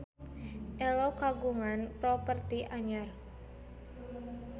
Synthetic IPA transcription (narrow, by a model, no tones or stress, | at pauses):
ʔɛlokaɡuŋanpɾɔpərt̪iʔaɲar